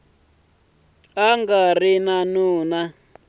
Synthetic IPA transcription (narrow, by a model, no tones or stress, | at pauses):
aŋɡarinanuːna